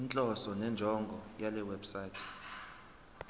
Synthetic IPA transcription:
int͡ɬʼɔsɔnɛnd͡ʒʱɔŋɡʱɔjalɛwɛbsaːtʰɛ̥

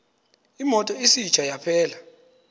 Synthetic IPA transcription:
imɔtʼɔisit͡ʃʰʼajapʰɛːla

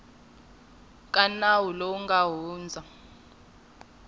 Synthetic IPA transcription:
kʼanawulouŋɡʱaɦuːnd͡zʱa

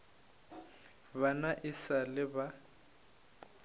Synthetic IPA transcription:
banaʔɪsalɪba

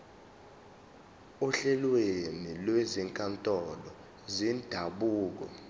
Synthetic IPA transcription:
uɬɛlwenilweziŋkʼantʼɔlɔ | zind̥ʱaɓuːk̬ɔ̰

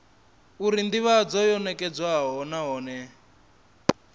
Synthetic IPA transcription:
uɾindiβad͡zɔjɔnɛkɛd͡zwaɦɔnaɦɔːnɛ

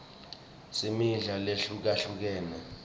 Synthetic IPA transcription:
simiɮaleɬuk̬aɬuk̬ɛːnɛ

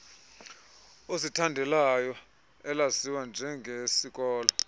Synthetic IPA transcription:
ositʰandʱɛlajɔ | ɛlasiwand͡ʒʱɛŋɡʱesik̬ʼɔːlɔ

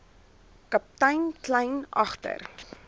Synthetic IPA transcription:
kɐp̚tɐjnklɐjnʔɐ̰χtə̰r

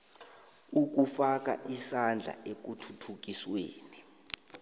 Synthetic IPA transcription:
uk̬ufak̬ʼa̰ʔisand͡ɮʱa̰ʔek̬utʰutʰuk̬isweːni

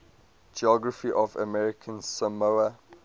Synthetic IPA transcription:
d͡ʒiɔɡɹəfiʔɔvə̰mɛɹɪkʰə̃nsəmoə

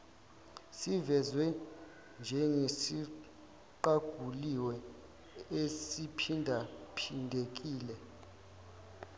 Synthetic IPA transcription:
sivɛzwɛ | nd͡ʒʱɛŋesi | ǃaɡ̥ʱuliwɛ | esipʰindʱapʰindʱek̬ʼiːlɛ

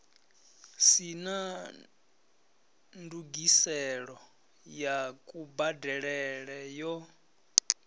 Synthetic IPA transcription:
sina | nduɡisɛɺɔ | jakʼubadɛɺɛɺɛjɔ

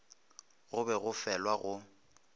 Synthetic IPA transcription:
ɣʊbɛɣʊfɛlwaɣʊ

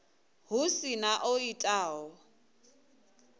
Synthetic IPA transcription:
hʊsinaʔoitʼaːɔ

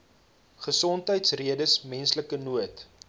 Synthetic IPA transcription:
χəsɔntɦəjtsriədəsmɛnsləkənuət

